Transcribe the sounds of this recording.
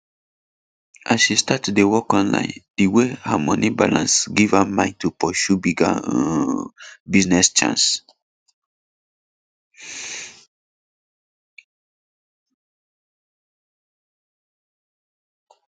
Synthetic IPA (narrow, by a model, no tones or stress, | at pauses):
ʔasʃistatdewɔkɔ̃nlã̰j̃ndiwehamɔ̃niba̰lã̰nsɡivamãɪ̃ntupɔʃubiɡa | biznɛst͡ʃã̰ns